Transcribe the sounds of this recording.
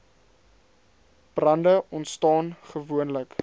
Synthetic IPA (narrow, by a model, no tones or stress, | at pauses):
b̥rɐndəʔɔntstɑːnχəvuənlək